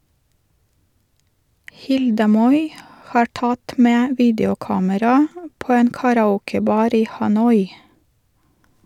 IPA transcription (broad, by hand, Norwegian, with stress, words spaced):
ˈhɪldə ˈmɔʏ ˈhɑːɾ ˈtɑt ˈmeː ˈʋiːdjʊˌkɑːməɾɑ ˈpoː ˈeːn kɑɾɑˈuːkəˌbɑːɾ ˈiː hɑˈnɔʏ